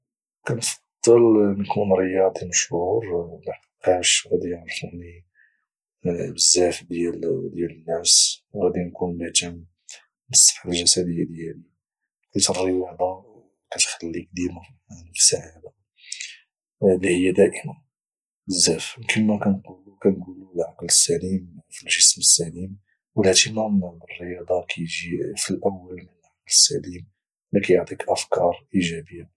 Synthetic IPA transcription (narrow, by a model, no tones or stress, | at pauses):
kænfɑɑd̪̥ˤːəlnkunɾəjɑd̪iməʃhuɾlaħqiqɑʃɣæd̪iʕɾˤfəʕni | bəzːæfd̪jæld̪jælənːæswɣæd̪inkunbæt̪æm | bəsˤːə̥fħalʒæsæd̪əjːæd̪jæli | kæt̪əɾˤːiwaʕd̪ɑ | kæt̪xəlːik̚d̪ima | fi̥saʕab̪a | lihəjːæd̪æʔəmæn | əzːæfkənmækænqulukænɡululʕɑqləsːælimfilʒəsməsːælim | wəlæʕt̪imæmnərːəjɑd̪ˤɑkʰæjʒifilʔəwːəlmənəlʕɑqləsːælim | lækæjoʕt̪ˤikʔəfkɑɾˤʔiʒæbəjːa